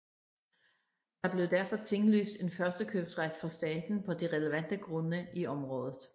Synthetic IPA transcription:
d̥ɑ̈b̥le̝ʊd̥æɐfɒ̽t͡sʰe̝ŋly̰ːsd̥e̝nfɶɐsd̥əkʰøb̥sʁad̥fɒsd̥ɛːd̥n̩pʰɒ̽d̥iʁɛləʋæn̰d̥əɡ̥ʁɔ̽nəiɒ̽mʁɔ̽ːðˠð̞̩ˠ

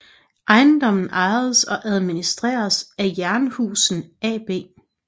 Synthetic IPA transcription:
ʔɑ̈ɪn̩d̥ɒ̽m̰n̩ʔɑ̈ɪð̞̩ˠəsɒ̽ʔæð̞ˠminisd̥ʁḛːɐsæjæɐnəhṵːsn̩ɛ̰ːb̥e̝̰ː

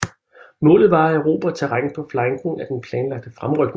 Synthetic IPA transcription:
mɔ̰̽ːlð̩ˠʋɑ̈æʊʁo̝̰ːb̥æt͡sʰe̝ʁaŋəpʰɒ̽flɑŋɡ̥ŋ̩æd̥enpʰlɛːnlɑ̈ɡ̥̚d̥əfʁamʁœɡ̥

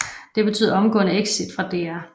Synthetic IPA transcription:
d̥e̝b̥e̝t͡sʰy̰ːðˠɐɒ̽mɡ̥ɔ̰ːnəeɡ̥sid̥fʁɑ̈d̥eæ

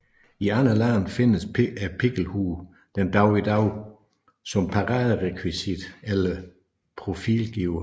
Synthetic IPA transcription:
iɑnɐlænfe̝nəsæpʰeɡ̥l̩huː | d̥end̥ɑ̈ʊid̥ɑ̈ʊ | sɒ̽mpʰɑ̈ʁɑːðˠəʁɛkʰwisid̥elɐ | pʰʁo̝fḭːlɡ̥iʊɐ

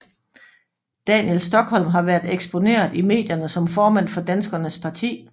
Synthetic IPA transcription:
d̥ɛnjelsd̥ɒ̽ɡ̥hɒ̽l̰mɦɑ̈ʋæɐd̥eɡ̥sb̥o̝ne̝̰ːɐðˠime̝̰ːd̥jɐnəsɒ̽mfɒːmæn̰fɒ̽d̥ænsɡ̥ɐnəspʰɑ̈t͡sʰḭː

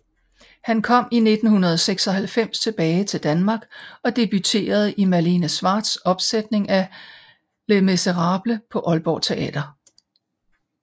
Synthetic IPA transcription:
hænkʰɒ̽m̰ine̝d̥n̩hunɐð̞ˠɒseɡ̥sɒ̽ɦælfem̰st͡sʰe̝b̥ɛːɪt͡sʰe̝ld̥ænmɑ̈ːɡ̥ɒ̽d̥e̝b̥yt͡sʰe̝̰ːɐð̩ˠimælinæsʋɑ̰̈ːd̥sɒ̽b̥sed̥ne̝ŋæ | lemeseʁɑ̈ːb̥ləpʰɒ̽ʔɒ̽lb̥ɒ̰ːt͡sʰe̝ʔɛ̰ːd̥ɐ

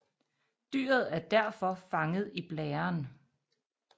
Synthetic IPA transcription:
d̥y̰ːɐð̞̩ˠæɐd̥æɐ̰fɒ̽fɑ̈ŋəð̞̩ˠib̥lɛːɐn

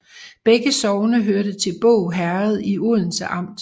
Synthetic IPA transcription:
b̥eɡ̥əsɒʊnəɦøɐɾət͡sʰe̝lb̥ɔ̰ʊɦæɐð̞̩ˠiuð̰ˠn̩səʔɑ̈m̰d̥

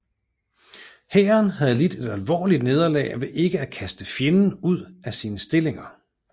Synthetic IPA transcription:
hæːɐnɦæð̞ˠlid̥e̝d̥ælʋɒ̰ːlid̥ne̝ð̞ˠɐlɛ̰ːʋe̝ʔe̝ɡ̥əækʰæsd̥əfjenn̩uð̞̰ˠæsiːnəsd̥e̝le̝ŋɐ

